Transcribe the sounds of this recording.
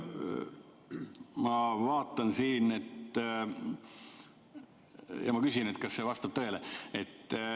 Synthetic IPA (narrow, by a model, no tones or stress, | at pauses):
mɑvɑːt̪ːˑɑnsiːne̞t̪ː | jɑ̰mɑkysinet̪kɑsːevɑst̪ɑb̥̚t̪øeleet̪ː